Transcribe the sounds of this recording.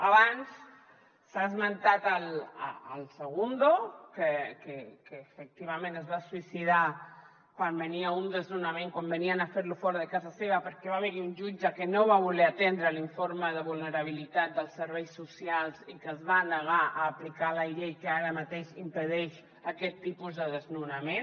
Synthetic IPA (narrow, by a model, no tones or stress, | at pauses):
aβansː | azmənt̪at̪al̰ə̰lˠsəɣ̞und̪okəkəkəːfək̚t̪iβamẽnəzβaswisiða | kwambəniaund̪əznunamẽŋkwambəniənafeɾlufɔɾəðəkazaseβɐpəɾkɛβaβeɾiunʒud͡ʒakənoβaβulɛat̪ɛnd̪ɾəliɱfoɾməðəβulˠnəɾaβ̞ilit̪at̪̚d̪əlˠsːəɾβɛjsːusialˠzikəzβanəɣ̞aʔəːplikaləʎejkəaɾəmat̪eʃimpəðɛʃ | əkɛt̪ːipuzðəðəznunamen